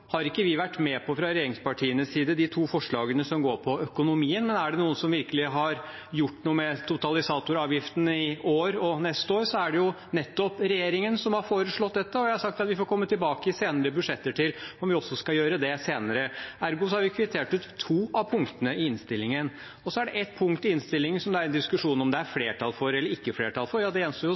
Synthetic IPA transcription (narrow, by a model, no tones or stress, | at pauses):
hɑɾɪkːəʋɪʋæʈːmɛpʰɔfɾɑɾɛjeːɾɪŋspɑʈʰiːənəsiːd̪əd̪ɪt̪ʰuːfɔʂɭɑːɡənəsɔmɡoːɾpʰɔœkʊnʊmiːənmɛnæɖɛnuːənsɔmʋɪɾkəlɪɦɑɾ | jʊʈːnuːəmɛt̪ʰʊt̪ɑlɪsɑːt̪ʊɾɑːʋjɪft̪ənəɪoːɾɔnɛst̪oːɾsɔæɖɛjʊ | nɛt̪ːɔpɾɛjeːɾɪŋənsɔmhɑɾfoːɾəʂɭɔt̪̚d̪ɛt̪ːəɔjæhɑɾʂɑk̚t̪ɑt̪ʋɪfɔːɾkʰɔmːət̪ʰɪlbɑːkəɪseːnəɾəbʉʂɛt̪ːəʈʰɪlɔmʋɪɔsːɔskɑjøːɾəd̪ɛseːnəɾəæɾɡʊs̬ɔhɑɾʋɪkʰʋɪt̪ʰeːʈʉːt̪ʰːʋuːɑʋpʰʊŋkt̪ənəɪɪnst̪ɪlːɪŋən | ɔsɔæɖɛʔɛt̪pʰʊŋkt̪ɪɪnst̪ɪlːɪŋənsɔmd̪ɛæɾɛnd̪ɪskʉʂuːnɔmd̪ɛæɾfleːʈʰɑlfɔɾɛlːəɾɪkːəfleːʈʰɑlfɔɾjɑːd̪ɛɛnsəjʊ